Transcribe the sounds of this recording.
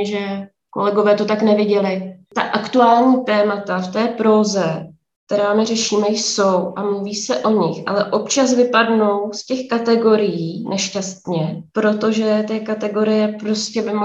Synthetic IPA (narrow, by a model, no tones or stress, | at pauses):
ʒɛ | ko̰lɛɡo̞vɛːt̪ot̪aknɛvɪɟɛlɪt̪a̰ʔakt̪uaːlɲiːt̪ɛːmat̪aft̪ɛːpɾoːzɛ | k̚t̪ɛɾaːmɪɾɛʃiːmɛjso̞wʔamluviːsɛʔo̞ɲɪxʔa̰lɛʔo̞pt͡ʃasvɪpadno̞wscɛxkat̪ɛɡo̞ɾɪjiːnʔɛʃcast̪ɲɛpɾo̞t̪o̞ʒɛt̪ɛːkat̪ɛɡo̞ɾɪjɛpɾo̞scɛbɪm